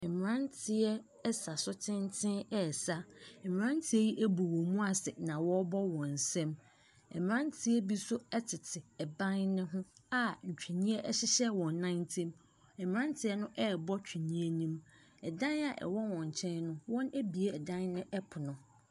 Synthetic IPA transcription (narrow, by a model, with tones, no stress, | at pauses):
ɛ˨m˨ɾã˦ntʰɪ˨ɛ˦ | ɛ˦sa˨sʊ˦tʰɪ̃˦n˦tʰɪ̃˦nɛ˦˨sa˦ɛ˨m˨ã˦ntʰɪ˦ɛ˦ji˦ʔæ˦bu˨wɔ̃˨mũ˦a˨sɛ˨nã˨wɔ˦bɔ˦wɔ̃˨n̩˨sɛ̃˦m | ɛ˨m˨ɾã˦ntʰɪ˦ɛ˦bi˦sʊ˦ɛ˦tʰɪ˨tʰɪ˨ɛ˨bã˦nnʊ̃˦ɦʊ̃˦a˦ɲ̩˨t͡ɕᶣi˨ɲĩ˦ɛ˦ʔɛ˦ɕɪ˦ɕɛ˦wɔ̃˨nːã˦ɪ̃˦ntʰĩ˦m | ɛ˨m˨ɾã˦ntʰɪ˨ɛ˦nʊ̃˦ʔɛ˦˨bɔ˦t͡ɕᶣʰi˨nĩ˦e˦nĩ˦m | ɛ˨dã˦na˨ʔɛ̰˨wɔ˦wɔ̃˨ɲ˨t͡ɕʰɛ̃˦nnʊ̃˦wɔ̃˦næ˦bi˨e˨ɛ˨dã˦nnɪ̃˦ʔɛ˦pʰʊ˨nʊ̃˨